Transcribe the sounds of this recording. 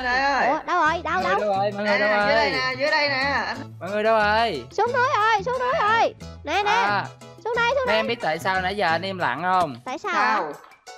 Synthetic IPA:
na˨˩˧ɗə˧whə˨˩jɗə˧wɗə˧˩˧wə˧wəː˨˧˩jmɔ̰˧˨jŋɨ˨˩jɗə˧wʔəː˨˧˨ə˧jnː˨˩zɨ˨˦əɗə˧jnaː˨˩mɔ̰˧˨jŋɨ˨˩əɗə˨˧wʔəː˧˩jsu˨˦˥əŋnu˨˦əjʔo˧˩jsu˨˦əŋnu˨˦jʔo˧˩jnɛ˧˨˧nɛ˨˧˨su˨˦əŋɗə˧jsu˧˦nmɛ˧ɛ˧mɓi˦˥ət̚t̪aː˧˨jsaː˧wnɛ̰˧˥˦jzəː˨˩ʔnʔi˧mla̰ː˧˨ŋhə˧wŋ͡mt̪a̰ː˧˨jsaː˧waː˧w

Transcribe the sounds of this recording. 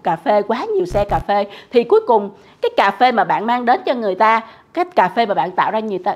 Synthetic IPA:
kaː˨˩fe˧kwaː˨˦ɲi˨˩əwsɛ˧kaː˨˩fe˧t̪ʰi˨˩ku˨˦jkʊ˨˩ŋ͡m | kaː˨˦jkaː˨˩fe˧maː˨˩ɓa̰ː˧˨nmaː˧ŋɗe˨˦nt͡ɕɔ˧ŋɨ˨˩əjt̪aː˧ | kaː˨˦˥jkaː˨˩fe˧maː˨˩ɓa̰ː˧˨nt̪a̰ː˧˨wzaː˧ɲ˨˩əwt̪ː

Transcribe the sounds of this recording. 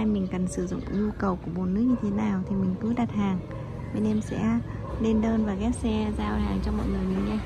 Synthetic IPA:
a˧jmï˨˩ŋ̟kə˨˩nsɨ˧˩zʊ̰˧˨ŋ͡mɲu˧kə˨˩wku˧˩əɓo˨˩nːɨ˦˥ək̚ɲɨ˧t̪ʰe˨˦naː˨˩wt̪ʰi˨˩mï˨˩ŋ̟kɨ˨˦ɗa˨˩t̚haː˨˩ŋ | ɓe˧nʔɛ˧msɛ̰˧˥ | le˧nɗəː˧nvaː˨˩ɣɛ˦˥t̚sɛ˧zaː˧whaː˨˩ŋt͡ɕɔ˧wŋ͡mmɔ̰˧˨jŋɨ˨˩əjmï˨˩ŋŋa˧j

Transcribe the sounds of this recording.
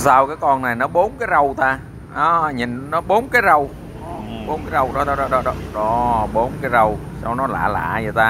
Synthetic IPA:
saː˧wkaː˨˦jkɔ˧nna˨˩jnɔ˨˦ɓo˨˦nkaː˨˦jzə˨˩wt̪aː˧ | ʔɔ˨˦ɲḭ˨˩nnɔ˨˦ɓo˨˦nkaː˨˦jzə˨˧˩w | ɓo˨˦nkaː˨˦zə˧˩wɗɔ˨˦ɗɔ˨˦ɗɔ˨˦ɗɔ˨˦ɗɔ˨˦ɗɔ˨˦ɓo˨˦nkaː˨˦jzə˨˩wsa˧wnɔ˨˦la̰ː˧˩la̰ː˧˨zə˨˩t̪aː˧

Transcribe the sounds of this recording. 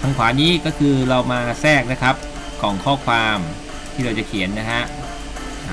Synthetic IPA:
tʰa˧ŋkʰwaː˩˦niː˦˥kɔː˥˩kʰɯː˧ɾa˧wmaː˧sɛː˥˩k̚na˦˥kʰa˦˥p̚ | kɔː˨˩˦ŋkʰɔː˥˩kʰwaː˧m | t̪ʰiː˥˩ɾa˧wt͡ɕa˨˩kʰi˩˦ənːa˦˥ɦʰa˦˥ʔ

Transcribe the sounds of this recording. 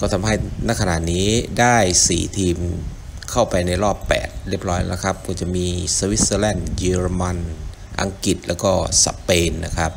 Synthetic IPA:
kɔː˥˩t̪ʰa˧mɦa˥˩jna˦˧˥kʰa˧na̰˨˩niː˦˥daː˥˩jsḭː˨˩t̪ʰiː˧m | kʰa˥˩wpa˧jna˧jɾɔː˥˩pːɛ̰ː˨˩t̪̚ɾi˥˩əp̚ɾɔː˦˥jla̰˦˥kʰa˦˥p̚kʰɔː˧˩t͡ɕa˨˩miː˧sa˧wi˦˥t̪̚səː˧lɛː˥˩nji˧ɾma˧n | ʔa̰˧ŋki˨˩t̪̚lɛː˦˥wkɔː˥˩sa̰˧peː˧nːa̰˦˥kʰa˦˥p̚

